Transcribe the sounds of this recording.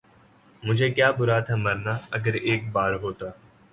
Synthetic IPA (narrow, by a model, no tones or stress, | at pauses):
mʊd͡ʒʱeːkjaːbʊɾaːt̪ʰəməɾnaːəɡəɾeːk̚baːɾɦoːt̪aː